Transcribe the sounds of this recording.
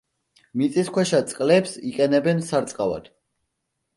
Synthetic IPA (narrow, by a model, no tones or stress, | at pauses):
mit̪sʼiskwɛʃat̪sʼqʼlɛpsiqʼɛnɛbɛnsaɾt̪sʼqʼava̰d̪̥